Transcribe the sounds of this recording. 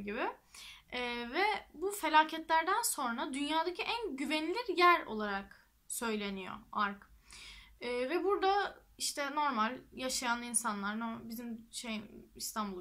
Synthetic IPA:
ɟibɪ | vɛbufe̞lʲaːcʰɛt̪lʲæɾd̪ænso̞nɾad̪ynjaːd̪acʰiʔænɟyvɛnlʲiɾjæɾo̞̰lˠaɾak | sø̞jlʲe̞nijo̰aɾk | ɛːvɛbuɾd̪aiʃt̪ʰɛno̞ɾmalʲjaʃajanːˠɯinsanlˠaɾnobizimʃejist̪ʰanbulˠ

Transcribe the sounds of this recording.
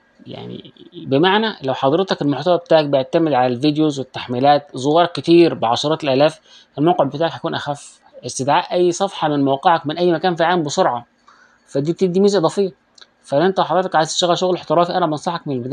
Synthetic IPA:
ja̰ʕnḭbɪmaʕnælæwħɑd̪ˤɾet̪ɑkelmoħt̪æwæbet̪aːʕak̚beʕt̪æmɪd̪ʕalælvid̪jozwɪt̪ːaħmiːlæːt̪̚zowɑːɾˤkːɪt̪iːɾbɪʕɑʃɑɾˤɑːt̪elʔælæːf | ʔelmawqeʕbet̪aːʕækhækuːnʔæxæf | ʔest̪ɪd̪ʕaːʔʔæjːsˤɑfħɑmɪnmawqeʕɑkmɪnʔæjːmækæːnfiʕalːæmbesoɾˤʕɑ | fæd̪iːt̪id̪iːmiːzæʔd̪ˤɑːfejːɑ | fæʔʔent̪æwħɑd̪ˤɾet̪ɑkʕajzʃːæɣæʃoɣlħt̪ɑɾˤɑːfiʔænæbnsˤɑħɑk̚mɪnelbed̪æː

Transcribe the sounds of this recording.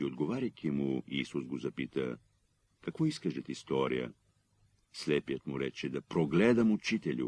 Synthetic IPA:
iod̪ɡovaɾʲɐjkʰʲimuiːsuzɡozɐpit̪ə̰ | kɐkvɔiskəʒɛt̪ist̪ɔɾijə̰ | slɛpijət̪muɾɛt͡ʃɛd̪ɐpɾoɡlɛd̪əmut͡ʃit̪ɛlʲṵ

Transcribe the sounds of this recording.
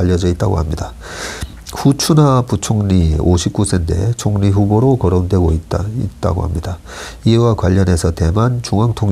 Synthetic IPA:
aʎːʌd͡ʑʌit̚t͈aɡo̰hamɲida | ɸut͡ɕʰunaput͡ɕʰoŋɲioɕʰip̚k͈usʰende̞̰t͡ɕʰoŋɲiɸuboɾokʌɾondwe̞ɡoiḭt̚t͈a̰ɡo̰hamɲida | iewakwaʎːʌne̞sʰʌte̞mant͡ɕuŋaŋtʰoŋ

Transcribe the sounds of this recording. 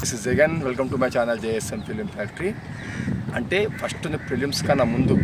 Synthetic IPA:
isizd͡ʒɛɡɐnʋelkɐmʈumɐjt͡ʃaːnɐld͡ʒeːesempɾiljumpʰaːkʈɾi | ɐɳʈe̞ːpʰɐsʈund̪ipɾiljumskɐnːɐmund̪u

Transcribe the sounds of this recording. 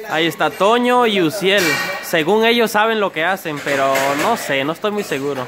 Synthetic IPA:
a̰ie̞st̪at̪o̞ɲo̞iusje̞lse̞ɣuŋe̞ʝo̞sːaβe̞nlo̞ke̞ase̞mpe̞ɾono̞se̞noest̪ojmujse̞ɣuɾo̞

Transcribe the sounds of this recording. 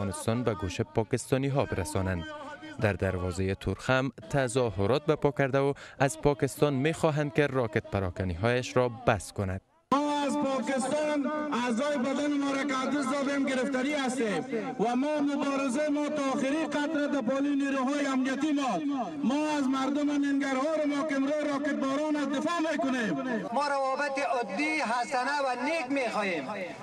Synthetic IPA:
ɔnɪst̪ɒnbaɡoʃepɒkɪst̪ɒniɦɒbɪɾasɔnand̪d̪aɾd̪aɾwɒzejet̪ʰʊɾxamt̪ʰazɒɦʊɾɒt̪̚bapɒkaɾd̪aʊazpɒkɪst̪ɒnmexɒɦand̪̚kerɒket̪̚paɾɒkaniɦɔjaʃɾɔbaskʊnad̪̥ | mɔazpɔkɪst̪ɔnazɔjɪbad̪anɪmɔɾakad̪ɪs̬d̪ɔd̪emɡɪɾɪft̪ɔɾiast̪em | wamɔmʊbɔːɾɪzaɪmɔt̪ɔːxɪɾiqat̪ɾad̪apɔliniɾuɦɔːjɪamnijat̪imɔ | mɔːazmaɾd̪ʊmanɪŋɡaɾhɔːɾɪɾɔkɪnɾɔɾɔkɪt̪̚bɔɾɔnad̪ɪfɔmekʊnemmɔɾawɔbɪt̪ɪɔd̪ːiɦasanawanekmexɔjem

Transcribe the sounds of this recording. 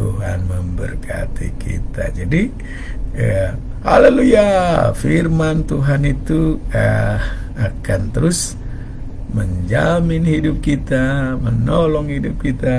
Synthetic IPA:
t̪uɦa̰nməmbə̰rkʰa̰t̪ḭkʰḭt̪a̰d͡ʒadi | ə | ha̰lalujafirmant̪uɦanit̪uə | akant̪əɾʊs | məɲd͡ʒamɪnhidup̚kit̪amənɔlɔŋhidʊp̚kit̪a

